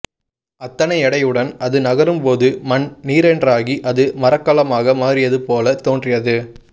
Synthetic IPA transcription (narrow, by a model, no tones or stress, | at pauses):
ɐt̪ːɐnɐɪɛɽɐɪjɯɽɐnɐðɯnɐɣɐɾɯmpoːðɯmɐnniːɾɛndraːɣiʔɐðɯmɐɾɐkːɐlɐmaːɣɐmaːɾɪjɐðɯpoːlɐt̪oːndrɪjɐðɯ